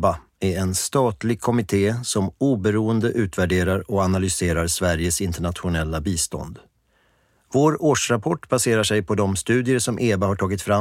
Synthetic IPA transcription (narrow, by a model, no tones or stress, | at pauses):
ba | æɾɛnst̪ɑːt̪lɪɡ̚kʰɔmɪt̪ʰeːsɔmuːbɛɾuːənd̪əʔʉ̟ːt̪væɖeːɾaɾɔanalʏseːɾaɾsvæɾjəsɪnt̪əɳat̪ɧʊnɛlːabiːst̪ɔ̰nd̪ | voːɾoːʂɾapʰɔʈːb̥aseːɾaʂɛjpʰɔd̪ɔmst̪ʉ̟ːd̪ɪəɾʂɔmʔeːbaɦaʈʰɑːɡɪt̪fɾa